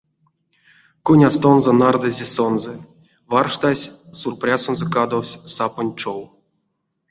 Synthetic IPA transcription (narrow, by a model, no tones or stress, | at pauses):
kunʲast̪onzɔnard̪azʲesonzɛ | varʂt̪asʲsurprʲasonzokad̪owsʲsaponʲt͡ʂow